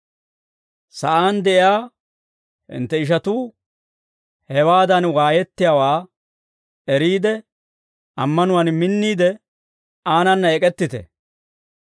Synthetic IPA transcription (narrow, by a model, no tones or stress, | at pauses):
sɐʔaːnd̪ɛʔɪjaː | hɪ̰nt̪ːɛɪʃ̬ɐt̪uː | hɛwaːd̪ɐnwaːjɛt̪ːɪjaːwaː | ɛɾiːd̪ɛ | ʔɐmːɐnʊwɐnmɪnːiːd̪ɛ | aːnɐnːɐɛkʼɛt̪ːɪt̪ɛ̰